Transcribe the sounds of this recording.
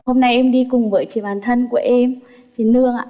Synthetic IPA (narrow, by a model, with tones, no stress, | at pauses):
ho˧mna˧jʔɛ˧mɗi˧kʊ˨˩ŋ͡mvəː˨˦jt͡ɕi˧˨˦ɓaː˨˩nt̪ʰə˧nku˧˩əʔɛ˧m | t͡ɕi˨˦nlɨ˧əŋa̰ː˧˨